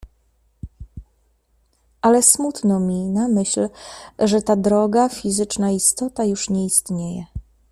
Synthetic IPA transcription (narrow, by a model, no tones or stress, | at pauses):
ʔalɛsmut̪nɔmʲinamɘɕlʐɛt̪ad̪ɾɔɡafʲizɘt͡ʂnaist̪ɔt̪ajuʂɲɛist̪ɲejɛ̰